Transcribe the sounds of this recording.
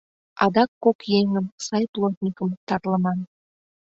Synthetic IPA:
ɑd̪ɑkːokjeŋəmsɑjplˠot̪ʲnʲikəmt̪ɑɾlˠəmɑn

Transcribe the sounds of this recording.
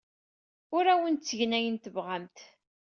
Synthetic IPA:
ʊɾæwənt̪t͡sːəʝnæjənt̪əvʁamt̪

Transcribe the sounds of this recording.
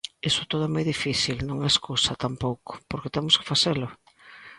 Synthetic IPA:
esʊt̪oðʊɛmojðifiθilnõŋɛeskusat̪ampowko̥poɾket̪ɛmʊske̥faθelʊ

